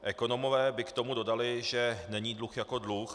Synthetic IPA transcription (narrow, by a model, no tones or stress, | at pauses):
ʔɛko̞no̞movɛːbɪkt̪o̞mudo̞dalɪʒɛnɛɲiːdluxjako̞dlux